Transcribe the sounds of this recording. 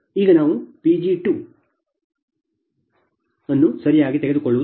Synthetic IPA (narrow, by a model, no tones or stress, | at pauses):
iːɡɐnaːʋupid͡ʒiʈːu | enːusɐɾijaːɡit̪eɣeðukːoɭːuʋɐ